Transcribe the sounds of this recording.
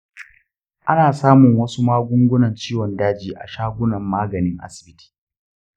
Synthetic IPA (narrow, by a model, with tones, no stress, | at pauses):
ʔa˦naː˨saː˦mʊ˨ŋwɐ˦su˦maː˦ɡʷʊ˦ŋɡʷʊ˦nɐ˨nt͡ʃiː˦wɔ˨ndaː˦d͡ʒiː˨ʔa̰˨ʃaː˦ɡʷʊ˦nɐ˨mːaː˦ɡɐ˨nɪ˦ŋʔa̰˦sɪ̥˨bɪ˦ti̥ː˨